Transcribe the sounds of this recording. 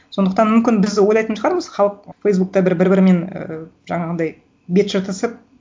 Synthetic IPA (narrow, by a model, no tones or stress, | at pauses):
so̞nd̪əqt̪ɑnmʏmkʲɪnbɪzwo̞jlˠɑjt̪ənʃʰəʁɑɾməzχɑlˠəq̚fejs̬buk̚t̪ɑbɪɾbɪɾbɪɾme̞nə̰ʒɑɴɑʁənd̪ɑj | bet̪ʃəɾt̪ʰəsəp̚